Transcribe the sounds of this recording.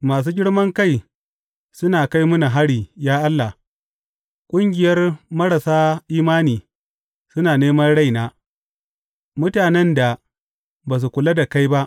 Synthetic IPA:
maː˨s̬uː˦ɡʲɪ˦ɽmɐ˦ŋka˦j | sʊ˦naː˨ka˦jmʊ˦na˨ɦa˦ɽiː˨jaː˦ʔa˦lːa˨h | kʷʼʊ˦ŋɡʲɪ˨jɐ˦rmɐ˦ɽa˨saː˦ʔiː˦maː˦niː˨ | sʊ˦naː˨neː˦mɐ˦nɽa˦jnaː˦ | mʊ˦taː˨nɛ˦nda˨ | baː˨s̬u˨kʷʊ˨la˦da˨ka˦jba˦ʔ

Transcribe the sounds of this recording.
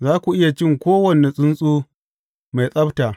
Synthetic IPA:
zaː˦kʷu˨ʔɪ˦ja˨t͡ʃɪ˦˨ŋkʷoː˦wɐ˨ne˨sʼʊ˦nsʼuː˦ | ma˨jsʼɐ˦btaː˨

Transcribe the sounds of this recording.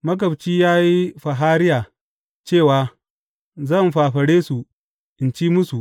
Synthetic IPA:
mɐ˦ɡɐ˨bt͡ʃiː˦jaː˦ji˦ɸɐ˨ɦaː˦ɾɪ˦jaː˨ | t͡ʃeː˦˨waː˨ | zɐ˦˨mɸaː˨ɸɐ˨ɽeː˦su˨ | ʔɪ˨nt͡ʃiː˦mʊ˦su˨ʔ

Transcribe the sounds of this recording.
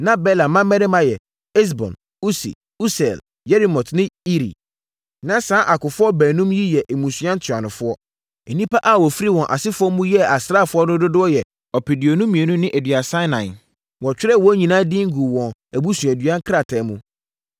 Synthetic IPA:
nã˦bɛ˦lã˨mːã˦mɛ̃˦ɾɪ˦mã˨jɛ˨ | ɛ˦s̬bɔ̰̃˨n | u˦sḭ˨ | u˦sɛ˨l | jɛ˦ɾi˦mɔ̃˨tʰnɪ̃˦i˦ɾḭ˨ | nã˦sãː˦ʔa˨kʊ˨fʊ˦ɔ˦bæː˨nũ˦mji˦jɛ˨ʔmũ˨su˨˦ã˦n̩˦tʰʊ˨a˨nʊ̃˨fʊ˦ɔ˦ | ɛ˨nĩ˦pa˦ʔa˦˨wɔ˨fi˦ɾi˦wɔ̃˨nʔa̰˨sɪ˦fʊ˦ɔ˦mũ˦jɛ˦a˨sɾa˦˨fʊ˦ɔ˦nʊ˦dʊ˦dʊ˦ɔ˦jɛ˨ | ɔ˨pʰi˨di˨o˨nũ˦mĩ˨e˨nũ˦nɪ̃˦ʔæ˨dɥa˨sã˦nã˨ | wɔ˨t͡ɕᶣɪ˦ɾɛ˦˨wɔ˦ɲĩ˨nãː˦dĩ˦ŋ̩˦ɡu˨wɔ̃˨næ˨bu˦sũ˨æ˨dɥã˦ŋ̩˦kʰɾa˨tʰɛ˨˦mũ˦

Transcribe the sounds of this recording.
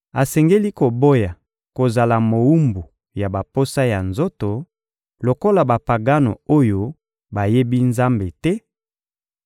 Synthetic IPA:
a˨sɛ˨ŋɡe˦li˦ko˨bo˦ja˨ | ko˨za˨la˨mo˨wu˦mbu˨ | ja˨ba˨po˦sa˦ja˨nzo˦to˨ | lo˨ko˦la˨ba˨pa˨ɡa˦no̰˨o˦jo˦ | ba˨je˦bi˦nza˦mbe˨tɛ˦

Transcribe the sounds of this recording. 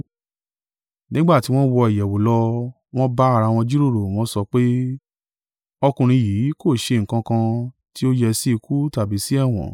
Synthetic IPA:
nĩ˦ɡ͡ba˦˨ti˨˦w̃ɔ̃˦wɔ˧i˨jɛ˨wo˨˦lɔ˧ | w̃ɔ̃˦ba˦a˦˧ɾa˧w̃ɔ̃˧d͡ʒu˦ɾo˦˨ɾo˨w̃ɔ̃˦sɔ˧k͡pe˦ | ɔ˧kũ˧ɾ̃ĩ˧jiː˨˦ko˦˨ʃe˧ŋ̩˨kã˧kã˧ | ti˦o˦jɛ˧si˦i˧kʰu˦ta˨bi˨˦si˦ɛ˦˨w̃ɔ̰̃˨

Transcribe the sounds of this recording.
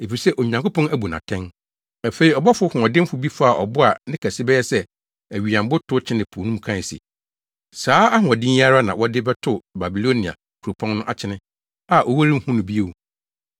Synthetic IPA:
e˨fi˨sɛ˦ʔo˨ɲ˨ã˨ŋkʊ˦pɔ̃˦næ˦bu˨nã̰˨tʰɛ̃˦n | æ˨fe˨ɾi˨ɔ˨bɔ˦fʊ˦hʊ̃˨ɔ˨dɪ̃˦m˦fʊ˨bi˦fa˨ʔɔ˨bʊ˦a˨nɪ̃˦kʰæ˨sɪ˦bɛ˦jɛ˦sɛ˦ | æ˨ɥi˨ã˨m˦bʊ˦tʰʊ˦t͡ɕʰɪ˦nɪ̃˨pʰo˨nũ˦m˨kʰã˦˨sḭ˨ | saː˨˦a˦ɦʊ̃˨ɔ˨dɪ̃˦a˦ɾa˦nã˨wɔ˦dɪ˦bɛ˦tʰʊ˦ba˨bi˨lo˦nĩ˨a̰˨ | kʰu˨ɾo˨pʰɔ̃˦nnʊ̃˦ʔa˨t͡ɕʰɪ˦nɪ̃˦ | a˦˨ʔo˨wa˦ɾi˦m̩˦hũ˦nʊ̃˨bi˦o˦˨u˨

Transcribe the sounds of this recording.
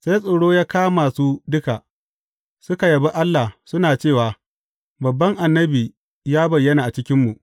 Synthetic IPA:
sa˦jsʼoː˨ɽoː˦jaː˦kaː˦maː˨suː˦dʊ˦ka˨ʔ | sʊ˦ka˨jɐ˨bi˦ʔa˦lːa˨sʊ˦naː˨t͡ʃeː˦˨waː˨ | bɐ˨bːɐ˦ŋʔa˨nːɐ˦biː˨ | jaː˦bɐ˨jːɐ˦naː˨ʔa˨t͡ʃɪ˦kʲɪ˦mːu˨ʔ

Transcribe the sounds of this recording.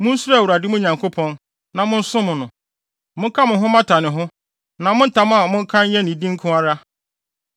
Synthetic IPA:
mʊ̃˦n̩˦su˦ɾa˦˨wu˨ɾa˨dɪ˦mʊ̃˦ɲã˨ŋkʰo˦pʰɔ̃˦n | nã˨mʊ̃˦n̩˦sʊ̃˦mʊ̃˨nʊ̃˨ | mʊ̃˦ŋ̩˦kʰa˦mʊ̃˨ɦʊ̃˦mã˦tʰa˨nɪ̃˨ɦʊ̃˦ | nã˨mʊ̃˦n̩˦tʰa˨m˦a˨mʊ̃˦ŋ̩˦kʰã˦n˦jɛ˦nĩ˨dĩ˦ŋ̩˦kʰʊ̃˦a˦ɾa˦

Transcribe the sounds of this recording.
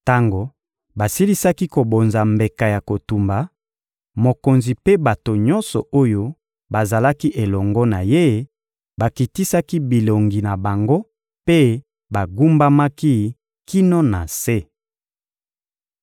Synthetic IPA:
ta˦ŋɡo˨ | ba˨si˦li˦sa˦ki˦ko˨bo˨nza˨mbe˨ka˨ja˨ko˨tu˨mba˨ | mo˨ko˨nzi˨pe˦ba˨to˨ɲɔ˦nsɔ̰˨o˦jo˦ | ba˨za˨la˦ki˦ʔe˨lɔ˨ŋɡɔ˦na˨je˦ | ba˨ki˨ti˦sa˦ki˦bi˨lo˨ŋɡi˨na˨ba˨ŋɡo˦ | pe˦ | ba˨ɡu˦mba˦ma˦ki˦ | ki˦no˦na˨se˦

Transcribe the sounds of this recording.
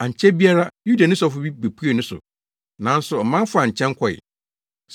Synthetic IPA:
ã˨ɲ̩˨t͡ɕʰɛ˦bi˦a˦ɾa˦ju˦da˨nɪ̃˦s̬ɔ˦fʊ˦bi˦be˨pʰu˦e˨nʊ̃˦sʊ̰˨ | nã˨˦n˦sʊ˨ɔ˨mã˦n˦fʊ˦a˨ɲ̩˨t͡ɕʰɛ̃˦ŋ˦kʰɔ˨ɪ̰˨ | s

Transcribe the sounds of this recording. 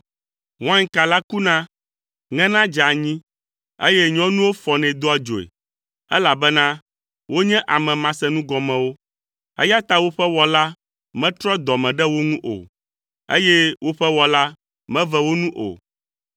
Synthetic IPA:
wã˦ŋka˨la˦ku˦nã˦ | ŋɛ̃˦nã˦d͡ʒa˨ɲĩ˦ | ḛ˦jɛ˦ɲɔ̃˦nũ˦wo˦fɔ˨nɛ̃˨d̪o˦a˨d͡ʒo˨ḛ˨ | ɛ˦la˨bɛ˦nã˦ | wo˦ɲɛ̃˦ʔa˨mɛ̃˨mã˨sɛ˦nũ˦ɡɔ˨mɛ̃˨wo˦ | ɛ̰˦ja˦t̪a˦wo˦ɸɛ˦wɔ˨la˦ | mɛ̃˦t̪ɾɔ˦d̪ɔ˨mɛ̃˨ɖɛ˦wo˦ŋũ˦ʔo̰˨ | ḛ˦jɛ˦wʔo˦ɸɛ˦wɔ˨la˦ | mɛ̃˦vɛ˦wo˦nũ˦ʔo̰˨

